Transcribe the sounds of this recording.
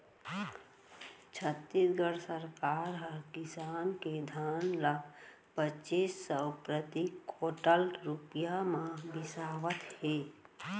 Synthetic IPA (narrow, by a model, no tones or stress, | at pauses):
t͡ʃʰət̪ːisɡəɽsəɾkaːɾɦəɾkɪsaːnked̪ʱaːnlə | pət͡ʃiːsːəwpɾət̪ikoːʈəlɾupjamãbɪsaːwət̪heː